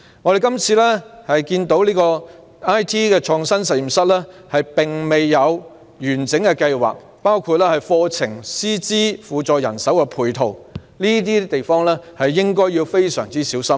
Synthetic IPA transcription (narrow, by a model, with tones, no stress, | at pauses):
ŋɔː˨˧ɾe˨jkɐ˥mt͡sʰiː˧lɛː˥hɐ˨jkiː˧nt̪o˨˥wliː˥kɔː˧ | aː˥jt̪ʰiː˥kɛː˧t͡ʃʰɔː˧ŋsɐ˥nsɐ˨t̚ji˨˩msɐ˥t̚lɛː˥hɐ˨jpɪ˨˩ŋme˨jːɐ˨˧w | jyː˨˩nt͡sɪ˨˥ŋkɛ˧kɐ˧jwa̰ː˨k̚ | paː˥wkʰuː˨˧t̚lɛː˥hɐ˨jfɔː˧t͡sʰɪ˨˩ŋsiː˥t͡siː˥fuː˨t͡sɔː˨jɐ˨˩nsɐ˨˥wkɛ˧pʰuː˨˩jt̪ʰo˨˩w | liː˥t̪̬iː˥t̪e˨jfɔː˥ŋlɛː˥hɐ˨jːɪ˥ŋkɔː˥jːiː˧wfe˥jsœ̰ː˨˩ŋt͡siː˥siː˨˥wsɐ˥m